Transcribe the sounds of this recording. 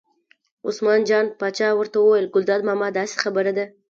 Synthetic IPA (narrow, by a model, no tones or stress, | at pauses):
ʊ̰smɑnd͡ʒɑnpɑt͡ʃɑwəɾt̪awəwajlɡʊld̪ɑd̪mɑmɑd̪ɑse̥xabəɾad̪a